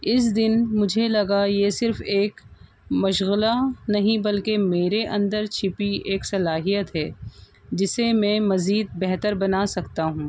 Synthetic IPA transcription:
ɪs̬d̪ɪnmʊd͡ʒʱelɐɡajesɪɾfeːk | mɐʃɣlanɐɦĩbɐlkemeːɾeʔɐ̰̃nd̪əɾt͡ʃʰɪpieːksɐlaːɦijət̪ɦɛː | d͡ʒɪsemɛ̃ːmɐziːd̪̚bɛɦt̪əɾbɐnasɐkt̪aɦũː

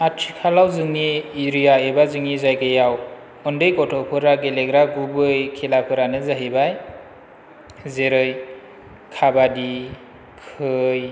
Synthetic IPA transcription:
atʰikʰalawzɯŋniːɾijaebazɯŋizajɡɯjaw | ɔndɯjkɔtʰɔpʰɯɾaɡeleɡɾaɡubɯjkʰelapʰɯɾanɯzaɦibaj | zeɾɯj | kʰabadi | kʰɯj

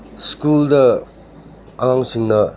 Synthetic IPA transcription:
skuldɐ | aŋaŋsiŋnɐ

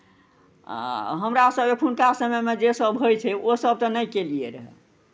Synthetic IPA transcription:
ɦəmɾasəbekʰunkasəmɛmed͡ʒesəbʱɦojt͡ʃʰɛosəb̚t̪ɔnəjkelijeɾəɦɛ̰

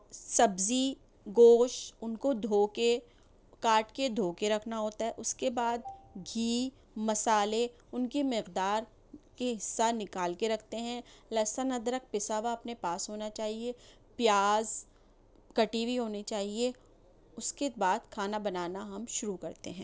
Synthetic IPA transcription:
sɐbzi | ɡoːʃʊnkod̪ʱoːke | kaːʈked̪ʱoːkeɾɐkʰnaɦoːt̪aɦɛʔʊskebaːd̪̚ɡʱiː | mɐsaːle | ʊnkimɪqd̪aːɾ | keɦɪsːanɪkaːlkeɾɐkʰt̪eɦɛ̃lɐsanɐd̪ɐɾək̚pɪsaːʋaɐpnepaːsɦoːnat͡ʃaːɦie | pjaːz | kɐʈibʱiɦoːnet͡ʃaːɦie | ʊskebaːd̪kʰaːnabɐnaːnaɦɐmʃʊɾukɐɾt̪eɦɛ̃ː

